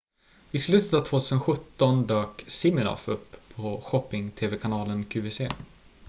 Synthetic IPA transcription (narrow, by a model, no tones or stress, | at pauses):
ɪslʉ̟ːt̪ət̪avt̪ʰvoːt̪ʰʉːsənɧɵt̪ːɔnd̪øːksɪmɪnɔ̰fɵpʰːɔɧɔpːɪŋt̪ʰeːvɛkʰanɑːlənkʰʉːvɛseː